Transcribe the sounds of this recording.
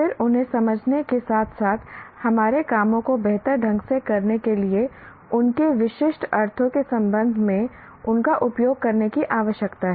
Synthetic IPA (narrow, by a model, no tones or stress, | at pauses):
fɪɾʊnɦẽsɐməd͡ʒʱnekesaːt̪ʰsaːt̪ʰhɐmaːɾekaːmõkobɛɦt̪əɾɖʱɐ̃ŋɡsekɐɾnekelie | ʊnkeʋɪʃɪʃʈɐɾt̪ʰõkesɐ̃mbə̃nd̪ʱmẽ | ʊnkaʔʊpjoːɡ̚kɐɾnekiʔaːʋəʃjəkt̪aɦɛ